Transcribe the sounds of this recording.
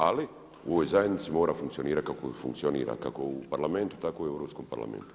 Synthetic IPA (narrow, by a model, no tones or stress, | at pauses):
ali | ṵoʋojzajed̪nit̪simoːɾafuŋk̪sijo̞niːɾakako̰fṵŋkt̪sionḭːɾa̰ka̰koupaɾlament̪u̥t̪akouiewɾopskompa̰ɾla̰mḛnt̪u̥